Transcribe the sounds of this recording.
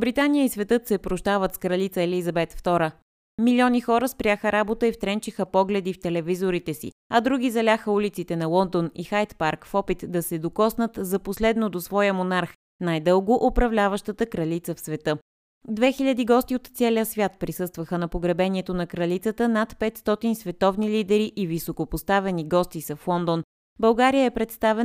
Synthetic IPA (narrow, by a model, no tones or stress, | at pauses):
bɾit̪anijəisvɛt̪ɤt̪sɛpɾoʃt̪avət̪skɾɐlit̪səɛlizɐbɛt̪ft̪ɔɾə | miliɔnixɔɾəspɾʲaxəɾabot̪əift̪ɾɛnt͡ʃixəpɔɡlɛd̪ift̪ɛlɛvizoɾit̪ɛsḭ | ɐd̪ɾuɡʲizɐlʲaxəulit̪sit̪ɛnɐlˠɔnd̪onixajt̪paɾkfɔpit̪d̪ɐsɛd̪okɔsnət̪zɐposlɛd̪nod̪osvɔjəmonaɾx | najd̪ɤlˠɡoʔopɾɐvlʲavəʃt̪ət̪əkɾɐlit̪səfsvɛt̪ɤ | d̪vɛxiʎʲɐd̪iɡɔst̪iot̪t̪sɛlijəsvʲjat̪̚pɾisɤst̪vəxənɐpoɡɾɐbɛnʲiɛt̪onɐkɾɐlit̪sət̪ənat̪pɛt̪st̪ɔt̪insvɛt̪ɔvnilid̪ɛɾiʔivisokopost̪avɛniɡɔst̪isəflˠɔnd̪on | bɐlˠɡaɾijəɛpɾɛt̪st̪avɛn